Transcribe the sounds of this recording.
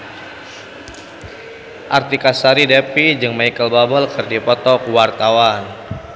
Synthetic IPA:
ʔart̪ikasaɾidepid͡ʒɨŋmajkəlbabɔlkərdipɔt̪ɔkwart̪awan

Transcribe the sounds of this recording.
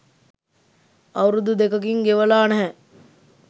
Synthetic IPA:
ɐwɾud̪ud̪ekək̬iŋɡeʋəlaːnɛɦɛ

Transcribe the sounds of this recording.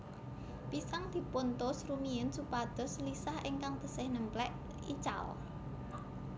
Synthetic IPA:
pisaŋd̪̥i̤pont̪ʊsrumiənsupad̪̥ɔ̤slisahʔɪŋkaŋt̪ə̤sɪhnəmplɛʔ | it͡ʃa̰l

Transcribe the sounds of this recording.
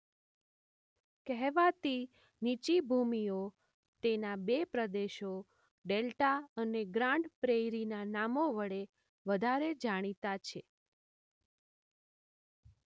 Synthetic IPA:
kɛɦʋat̪i | nit͡ʃibʱumio | t̪enabepɾəd̪eʃo | ɖelʈaəneɡɾãɳɖpɾejɾinanamoʋəɭe | ʋəd̪ʱaɾed͡ʒaɽ̃it̪at͡ʃʰe

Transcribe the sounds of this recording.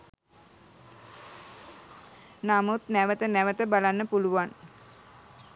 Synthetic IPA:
namut̪næʋət̪ənæʋət̪əbalanːəpuluʋan

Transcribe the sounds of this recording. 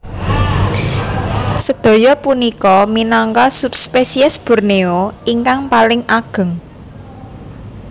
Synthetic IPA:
səd̪̥o̤jɔpunikɔminaŋkɔsup̚spesiɛsb̥ṳrneoiŋkaŋpalɪŋʔaɡ̥ə̤ŋ

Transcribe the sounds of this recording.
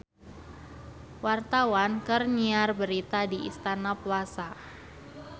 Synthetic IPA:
wart̪awankərɲiarbəɾit̪adiḭst̪anaplasa

